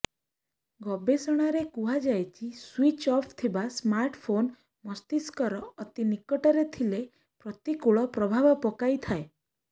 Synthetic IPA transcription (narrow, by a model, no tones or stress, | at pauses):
ɡɔbesɔɽ̃aɾekuɦad͡ʒajt͡ʃʰiswit͡ʃɔpʰt̪ʰibasmaɾʈpʰon | mɔst̪iskɔɾɔːt̪inikɔʈɔɾet̪ʰile | pɾɔt̪ikuɭɔpɾɔbʱabɔpɔkajt̪ʰae